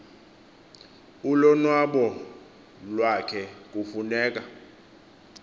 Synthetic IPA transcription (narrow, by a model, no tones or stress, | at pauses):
ulɔnwaɓɔ | lwakʰɛk̬ʼufunɛːk̬ʼa